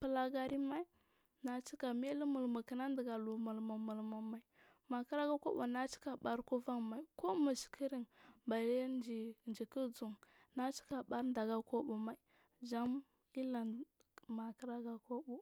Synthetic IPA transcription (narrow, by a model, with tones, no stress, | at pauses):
pə˨la˨ɡa˨ɾi˦ma˦i˦ | na˨t͡ʃi˦ka˨me˦li˦mu˨lmu˨ki˨na˦ndə˨ɡa˨lu˨mu˨lmu˨mu˨lmu˨ma˨i˨ | ma˨ki˦ɾa˦ɡa˦ko̰˦bṵ˨na˦t͡ʃi̥˦ka˨ɓa˨ɾku˦va˦ŋma˨i˨ko˦mu˨ʃi̥˨kʰi˦ɾi˦nba˨le˦nd͡ʒi˨nd͡ʒi˨ki˦d͡zu˨ŋ | na˦t͡ʃi̥˦ka˨ɓa˦ɾnda˨ɡa˨ko˦ɓu˨ma˨i˨ | d͡ʒa˦m | i˦la˨ | ma˨kə˦ɾa˦ɡa˦ko˦bu˨